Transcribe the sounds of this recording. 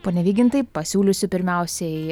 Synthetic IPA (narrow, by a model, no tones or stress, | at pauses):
poːnʲɛʋʲiːɡʲɪnt̪ɐɪpɐsʲuːlʲʊsʲʊpʲɪɾʲmʲɛʊsʲɛɪ